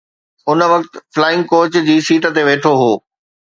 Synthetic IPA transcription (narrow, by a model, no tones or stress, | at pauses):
ʊnʋɐkt̪flaːɪ̃ŋɡ̚koːt͡ɕd͡ʑiːsiːʈə̆t̪eʋeːʈʰoɦoː